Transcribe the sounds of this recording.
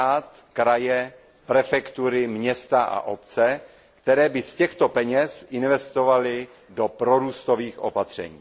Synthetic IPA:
aːt̪ | kɾajɛ | pɾɛfɛkt̪uɾɪmɲɛst̪aʔa̰ʔo̞p̚t͡sɛ | kt̪ɛɾɛːbɪscɛxt̪opɛɲɛsʔɪnvɛst̪o̞valɪ | do̞pɾo̞ɾuːst̪oviːxʔo̞̰pat̪r̝̥ɛ̰ɲḭː

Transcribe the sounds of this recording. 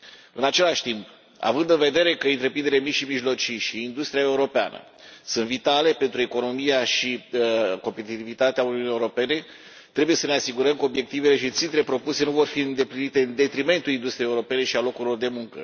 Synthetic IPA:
ɨnat͡ʃe̞laʃt̪imp | a̰vɨnd̪ɨnve̞d̪e̞ɾe̞kəɨnt̪ɾe̞pɾind̪elemiʃimiʒlo̞t͡ʃiʃiːnd̪ust̪ɾijae̞uɾo̞pea̰nə̰ | sunt̪vit̪ale̞pe̞nt̪ɾue̞ko̞no̞mijaʃiko̞mpe̞t̪it̪ivit̪at̪eauniuunieuɾo̞pe̞ne̞ | t̪ɾe̞buje̞səne̞asiɡuɾəmkəobje̞k̚t̪ive̞le̞ʃit̪sint̪ɾe̞pɾo̞puse̞nuvo̞rfiɨnd̪e̞plinit̪e̞ɨnd̪e̞t̪ɾime̞nt̪ulind̪ust̪ɾieuɾope̞ne̞ʃialo̞kuɾilo̞rd̪e̞muŋkə̰

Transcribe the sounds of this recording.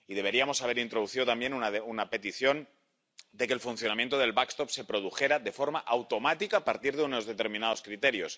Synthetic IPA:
iðe̞β̞e̞ɾiamo̞saβe̞ɾint̪ɾo̞ð̞uθiðo̞t̪ambje̞nunaunape̞t̪iθjo̞n | d̪e̞kelfunθjo̞namjent̪oðe̞lβakst̪o̞psepɾo̞ð̞uxe̞ɾaðe̞fo̞ɾmaʔawt̪o̞mat̪ikaːpaɾt̪iɾðeuno̞zðe̞t̪e̞ɾmĩnaðo̞skɾit̪e̞ɾjo̞s

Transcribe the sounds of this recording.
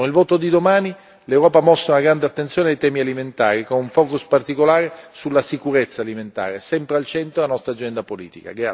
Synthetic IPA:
onilvoːt̪od̪id̪omaːni | lewɾɔːpamɔst̪ːaunaɡɾand̪eat̪ːent̪sjoːneajt̪ɛːmialiment̪a̰ːɾikonuɱfɔːkuspart̪ikolaːɾesulːasikuɾet̪sːaːliment̪a̰ːɾesɛmpɾealt͡ʃɛnt̪ɾolanɔst̪ɾad͡ʒɛnd̪apolḭːt̪ika̰ɡɾa

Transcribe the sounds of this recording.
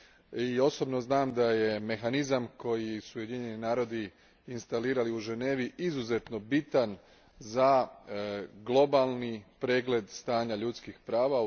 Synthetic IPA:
io̞so̞bno̞znaːmd̪aje̞me̞xanizamko̞jisuːje̞d̪iɲe̞ninaːɾo̞d̪i | inst̪aliːɾaliuʒe̞ne̞ːʋiʔizuze̞t̪no̞bit̪an | za | ɡlˠo̞balˠnipɾe̞ːɡle̞d̪st̪aːɲaʎut̪skixpɾaːʋa

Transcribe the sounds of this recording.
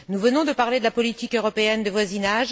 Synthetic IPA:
nuvənɔ̃d̪əpaʁled̪əlapɔlit̪ikøʁɔpeɛnd̪əvwazinaʒ

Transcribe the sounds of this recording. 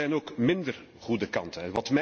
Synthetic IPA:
ɛjnoːkmɪndər | χudəkɑntənɛnʋɑtmɛ

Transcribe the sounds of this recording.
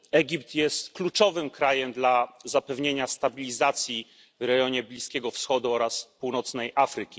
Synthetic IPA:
ɛɡʲipt̪jɛst̪klut͡ʂɔvɘmkɾajɛmd̪lazapɛvɲeɲast̪abʲilʲizat̪sʲji | vɾɛɡʲjɔɲɛblʲiskʲɛɡɔfsxɔd̪uɔɾaspuwnɔt̪snɛjʔafɾɘkʲi

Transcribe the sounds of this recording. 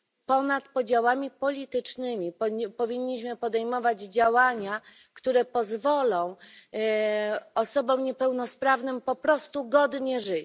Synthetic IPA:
pɔnat̪pɔd͡ʑawamʲipɔlʲit̪ɘt͡ʂnɘmʲipɔvʲiɲːiɕmɘpɔd̪ɛjmɔvad͡ʑd͡ʑawaɲa | kt̪uɾɛpɔzvɔlɔ̃w̃ | ɔsɔbɔ̃mɲɛpɛwnɔspɾavnɘmpɔpɾɔst̪uɡɔd̪ɲɛʐɘt͡ɕ

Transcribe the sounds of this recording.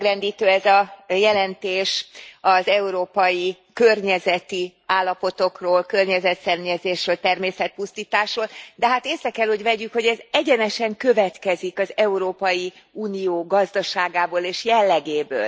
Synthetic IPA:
ɡrɛnd̪iːt̪øːɛzɒjɛlɛnt̪eːʃɒzɛuɾoːpɒji | kørɲɛzɛt̪iaːlːɒpo̞t̪o̞kroːlkø̞rɲɛzɛt̪sɛrɲɛzeːʃrøːlt̪ɛrmeːsɛt̪̚pust̪iːt̪aːʃroːld̪ɛɦaːt̪eːsɾɛkɛlho̞ɟvɛɟykho̞ɟɛzɛɟɛnɛʃɛŋkø̞vɛt̪kɛzikɒzɛuɾoːpɒji | uːnijoːɡɒzd̪ɒʃaːɡaːboːleːʃjɛlːɛɡeːbø̰ːl

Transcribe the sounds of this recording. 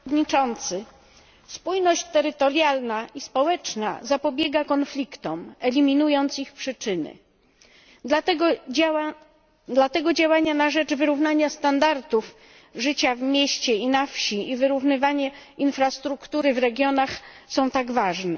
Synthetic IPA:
d̪ɲit͡ʂɔnt̪sɘ | spujnɔɕt͡ɕt̪ɛɾɘt̪ɔɾjalnaʔispɔwɛt͡ʂna̰zapɔbʲjɛɡakɔnflʲikt̪ɔmɛlʲimʲinujɔnt̪sixpʂɘt͡ʂɘnɘ̰ | d̪lat̪ɛɡɔd͡ʑawaɲanaʐɛd͡ʐvɘɾuvnaɲast̪and̪aɾt̪uf | ʐɘt͡ɕavmʲjeɕt͡ɕɛinafɕiivɘɾuvnɘvaɲɛinfɾast̪ɾukt̪uɾɘvɾɛɡʲjɔnaxsɔ̃w̃t̪aɡvaʐnɛ

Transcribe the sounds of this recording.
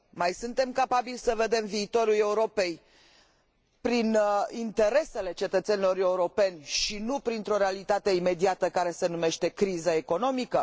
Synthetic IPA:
majsunt̪e̞mkapabilʲsəve̞d̪e̞mviːt̪o̞ɾule̞uɾo̞pe̞j | pɾinint̪e̞ɾe̞se̞le̞t͡ʃe̞t̪ət̪se̞nilo̞ɾe̞uɾo̞pe̞nʲʃinupɾint̪ɾo̞ɾealit̪at̪e̞ime̞d̪iat̪əkaɾe̞se̞nume̞ʃt̪e̞kɾizəeko̞no̞mikə

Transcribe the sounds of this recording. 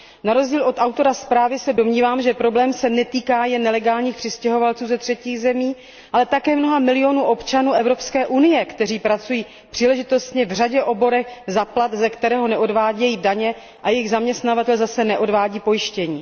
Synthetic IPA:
naɾo̞zɟiːlʔo̞t̪ʔawt̪o̞ɾaspɾaːvɪsɛdo̞mɲiːvaːmʒɛpɾoblɛːmsɛnɛt̪iːkaːjɛnːɛlɛɡaːlɲiːxpr̥ɪscɛɦo̞valt͡suːzɛt̪r̝̥ɛciːɣzɛmiː | ʔalɛt̪akɛːmno̞ɦamɪlɪo̞nuːʔo̞pt͡ʃanuːʔɛvɾo̞pskɛːʔunɪjɛkt̪ɛr̝iːpɾat͡sujiː | pr̥iːlɛʒɪt̪o̞st̪ɲɛvr̝aɟɛʔo̞bo̞ɾɛxzaplat̪zɛkt̪ɛɾɛːɦo̞nɛʔo̞dvaːɟɛjiːdaɲɛ | ʔajɛjɪɣzamɲɛst̪navat̪ɛlzasɛnɛʔo̞dvaːɟiːpo̞jɪʃcɛɲiː

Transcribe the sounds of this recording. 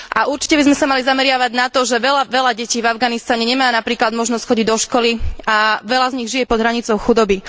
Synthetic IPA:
ʔaʔuɾt͡ʃi̥cɛbizmɛsamalizamɛɾɪaʋaɟnat̪ɔʒɛʋɛlaʋɛlaɟɛciːvavɡanist̪aɲɛɲɛmaːnapɾiːklad̪mɔʒnɔscxɔɟiɟd̪ɔʃkɔliaʋɛlazɲiɣʒijɛpɔd̪ɦɾaɲit͡sɔʊxud̪ɔbi

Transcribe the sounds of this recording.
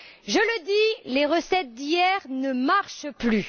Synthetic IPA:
ʒələd̪ileʁəsɛt̪̚d̪ijɛʁnəmaʁʃply

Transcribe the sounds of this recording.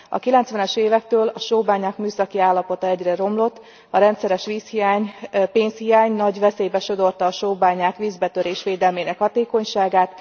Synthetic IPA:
ɒ̰kilɛnt̪sʋɛnɛʃeːvɛk̚t̪øːlɒʃoːbaːɲaːkmyːsɒkiaːlːɒpo̞t̪ɒɛɟrɛɾo̞mlo̞t̪ː | ɒɾɛnt̪sɛɾɛʃʋiːshijaːɲpeːnshijaːɲnɒɟʋɛseːjbɛʃo̞d̪o̞rt̪ɒːʃoːbaːɲaːkʋiːzbɛt̪øɾeːʃʋeːd̪ɛlmeːnɛkhɒt̪eːko̞ɲʃaːɡaːt̪

